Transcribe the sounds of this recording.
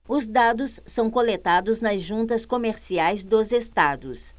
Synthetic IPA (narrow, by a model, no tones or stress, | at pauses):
ʊzd̪ad̪ʊsːɐ̃w̃kolet̪ad̪ʊznɐzʒũnt̪ɐskomeɾsiajzd̪ʊzest̪ad̪ʊs